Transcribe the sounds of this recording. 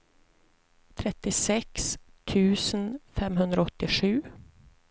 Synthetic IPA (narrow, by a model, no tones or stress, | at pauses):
t̪ʰɾɛt̪ːɪsɛkst̪ʰʉ̟ːsənfɛmɦɵnd̪ɾaɔt̪ːɪɧʉ̟ː